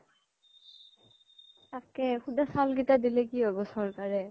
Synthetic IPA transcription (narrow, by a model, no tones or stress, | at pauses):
takɛkudasalɡitadilɛkiɔbɔsɔɹkaɹɛ